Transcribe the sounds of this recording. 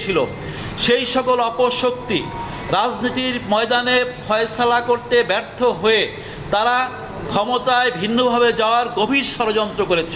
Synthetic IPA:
t͡ɕʰilo̰ | ʃejʃɔkolɔpoʃok̚t̪ḭ | ɾad͡ʑnit̪iɾmɔed̪anefʰɔeesalakoɾt̪ebɛɾt̪ʰoɦoe | t̪aɾa | kʰɔmot̪aebʱinːobʱabed͡ʑaoaɾɡobʱiɾʃɔɾod͡ʑɔnt̪ɾokoɾet͡ɕʰe

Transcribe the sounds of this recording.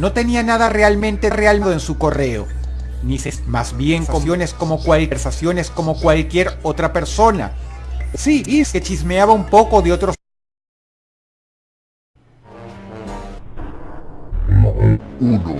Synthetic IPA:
no̞t̪e̞nianaðare̞almẽnt̪ere̞alðoensuko̞re̞o̰ | nise̞smazbje̞ŋko̞jo̞ne̞sko̞mo̞kwaleɾsasjo̞ne̞sko̞mo̞kwalkje̞ɾo̞t̪ɾape̞ɾso̞na̰siiske̞t͡ʃizmeaβaumpo̞ko̞ðeot̪ɾo | mouno̰

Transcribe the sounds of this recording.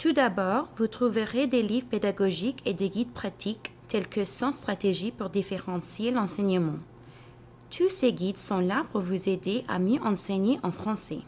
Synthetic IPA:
t̪ud̪abɔːʁvut̪χuvəʁed̪elivʁped̪aɡɔʒikʰed̪eɡid̪̚pχat̪ʰikt̪ɛlkəsɑ̃st̪χat̪eʒipuʁd̪ifeʁɑ̃sjelɑ̃sɛɲəmɑ̃ | t̪ʰuseɡid̪sɔ̃lapuʁvuzed̪eʔa̰mjøʔɑ̃sɛɲeʔɑ̃fχɑ̃sɛ

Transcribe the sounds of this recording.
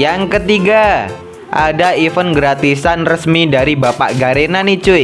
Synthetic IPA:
jaŋkət̪iɡa | ʔa̰daifənɡɾat̪isanrəsmidaɾibapa̰ʔɡaɾenanit͡ʃu

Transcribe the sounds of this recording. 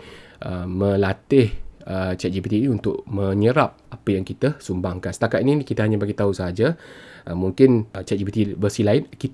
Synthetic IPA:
ʔəmə̃lat̪ɪhət͡ʃɛʔ̚d͡ʒipit̪iniunt̪ʊʔ̚mə̃ɲəɾap̚apəjaŋkit̪əsumbaŋkansə̥t̪akat̪ininikit̪əɦaɲabaɡit̪ausəɦad͡ʒaʔəmuŋkɪnt͡ʃɛʔ̚d͡ʒipit̪ibəsilaɪnkit̪

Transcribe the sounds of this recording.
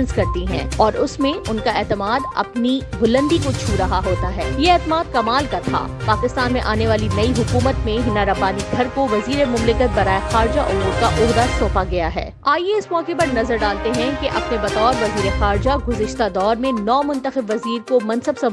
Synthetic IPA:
ə̃nskɐɾt̪iɦɛ̰̃ːɔːɾʔʊsmẽʊnkaɛːt̪ɪmaːd̪ɐ̰pnibʊlə̃nd̪ikot͡ʃʰuːɾɐɦaɦoːt̪aɦɛːjeɛːt̪ɪmaːd̪̚kɐmaːlkat̪ʰa̰ːpaːkɪst̪aːnmẽʔaːneʋaːlinɐiɦʊkuːmət̪mẽɦɪnaɾɐbaːniɡʱɐɾkoʋɐziːɾemʊmlɪkət̪̚bɐɾaːexaːɾd͡ʒaʔʊmuːɾkaʔʊɦd̪asõːpaɡɐjaɦɛ̰ː | aːijeɪsmɔːkepɐɾnɐzəɾɖaːlt̪eɦɛ̃keʔɐpnebɐt̪ɔːɾʋɐziːɾexaːɾd͡ʒaɡʊzɪʃt̪ad̪ɔːɾmẽnɔːmʊ̃nt̪əxɪbʋɐziːɾkomɐ̃nsəbsɐ̃

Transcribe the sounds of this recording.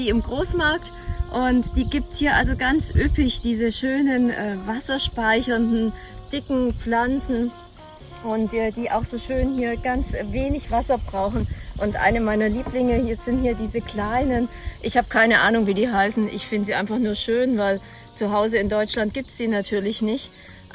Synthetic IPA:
d̥iːɪmɡʁoːsmaɐk̚t | ʔʊntd̥iːɡiːp̚thiːɐʔa̰lzoɡant͡sʔʏpɪçd̥iːzəʃøːnənʔɛːvasɐʃpaɪçɐndn̩ | d̥ɪkŋ̩p͡flant͡sn̩ | ʔʊntʔɛːd̥iːʔa̰ʊxz̥oːʃøːnhiːɐɡant͡sveːnɪçv̥asɐbʁaʊxn̩ʔʊntʔa̰ɪnəmaɪnɐliːplɪŋəhiːɐz̥ɪnthiːɐdiːzəkl̥aɪnənʔɪçhaːbəkʰaɪnəʔaːnʊŋviːdiːɦaɪsn̩ʔɪ̰çfɪndəziːaɪnfaχnuːɐʃøːnvaɪl | t͡suɦaʊzəɪndɔʏt͡ʃlant̚ɡ̥iːp̚tsd̥iːnatʰyːɐlɪçnɪçt

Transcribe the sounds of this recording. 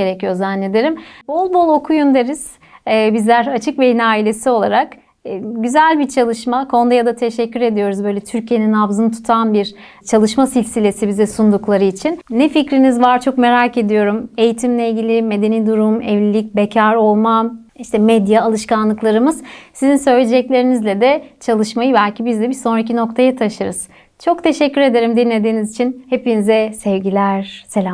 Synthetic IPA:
eɾecʰijo̞zanlʲe̞d̪eɾimbo̞lˠbo̞lˠo̞kʰujønd̪e̞ɾiz̥ | ɛːbizlʲæɾat͡ʃʰɯkve̞jinaːilʲe̞sio̞lˠaɾakː | ɟyzælʲbit͡ʃʰalˠɯʃmakʰo̞nd̪ajad̪at̪ʰe̞ʃɛcʰːyɾe̞d̪ijo̞ɾuzbø̞jlʲɛt̪ʰyɾcʰije̞ninavzɯnɯt̪ʰu̥t̪ʰanbiɾ | t͡ʃʰalˠɯʃmasilʲsilʲe̞sibizɛsund̪uklˠaɾɯit͡ʃʰinːɛficɾinizvaɾt͡ʃʰo̞kme̞ɾake̞d̪ijo̞ɾume̞jit̪ʰimlʲɛilʲɟilʲime̞d̪e̞niːd̪uɾumɛvlʲilʲic̚becʰaɾo̞lˠma | iʃt̪ʰɛmɛd̪jaːlˠɯʃkanlˠɯklˠaɾɯmɯz̥sizinsø̞jlʲed͡ʒɛclʲe̞ɾinizlʲɛd̪ɛt͡ʃʰalˠɯʃmajɯbælʲcʰibizd̪ʲɛbiso̞nɾacino̞kt̪ʰajat̪ʰaʃɯɾɯz̥ | t͡ʃʰo̞kt̪ʰe̞ʃɛcːyɾe̞d̪e̞ɾimd̪inlːʲe̞d̪iːnizit͡ʃʰinhe̞pinizɛsɛvɟilʲæɾ̥se̞lʲam

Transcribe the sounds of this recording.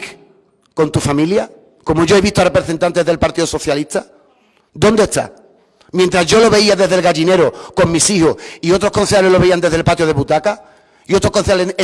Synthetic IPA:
k | ko̞nt̪ufamilja | ko̞moʝo̞e̞βiht̪oare̞pɾeθe̞nt̪ant̪e̞ðe̞lpaɾt̪iðoso̞θjaliht̪a | d̪o̞nd̪eht̪a̰ | mjent̪ɾazʝo̞lo̞βe̞iaðe̞ɦðelɣaʝine̞ɾoko̞ŋmisihoio̞t̪ɾoko̞nθjaleloβe̞iand̪e̞ðelpat̪joð̞e̞βut̪aka | io̞t̪ɾokonθjale

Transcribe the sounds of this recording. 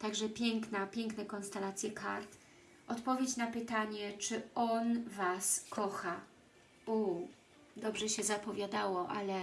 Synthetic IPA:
t̪aɡʐɛpʲjɛŋknapʲjɛŋknɛkɔnst̪ɛlat̪sʲjɛkʰa̰ɾt̪ | ʔɔt̪pɔvʲjet͡ɕnapɘt̪aɲɛt͡ʂɘɔnvaskʰɔxa | u | d̪ɔbʐɛɕɛzapɔvʲjad̪awɔʔalɛ

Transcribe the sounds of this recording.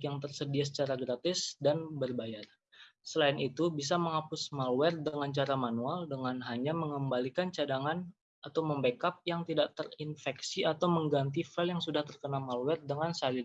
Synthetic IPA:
kjaŋt̪ərsədias̬ə̥t͡ʃaɾaɡɾat̪ɪsdanbərbajar | səlaɪnit̪ubis̬aməŋapʊsmalwɛrdəŋant͡ʃaɾamanualdəŋanɦaɲaməŋəmbalikant͡ʃadaŋan | at̪awməmbəkap̚jaŋt̪idaʔt̪ərinfɛksiat̪awməŋɡant̪̬ifɛljaŋsudaht̪ərkənamalwɛrdəŋansalɪ

